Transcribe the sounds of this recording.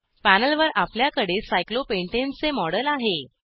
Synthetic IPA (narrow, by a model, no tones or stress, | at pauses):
pænəlʋəɾapljakəɽesajklopeɳʈent͡semɔɽəlaɦe